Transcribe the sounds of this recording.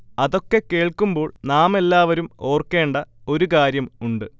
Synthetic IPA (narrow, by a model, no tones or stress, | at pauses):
ɐðo̞kːe̞ke̞ːɭkːumbo̞ːɭnaːme̞lːaːʋɐɾumo̞ːrke̞ːɳɖɐo̞ɾukaːɾjɐmuɳɖɨ